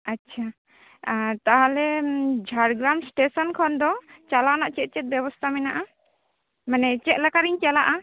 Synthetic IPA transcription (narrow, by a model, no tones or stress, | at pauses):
atːt͡ʃʰa | t̪aɦalɛd͡ʒʱaɽɡɾaw̃msʈesɔnkʰɔnd̪ɔt͡ʃalanaʔt͡ʃɛt̪̚t͡ʃɛt̪̚bjɛβɔst̪ʰamɛnaʔa | manɛt͡ʃɛt̪̚lakaɾiɲt͡ʃalaʔa